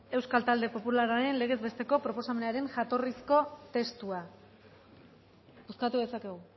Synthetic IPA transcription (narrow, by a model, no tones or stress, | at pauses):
e̞wskalt̪ald̪e̞po̞pulaɾaɾe̞nle̞ɣ̞e̞zβe̞st̪eko̞pɾo̞po̞same̞naɾe̞nʝat̪o̞risko̞t̪e̞st̪ua | uskat̪uðe̞sake̞ɣ̞u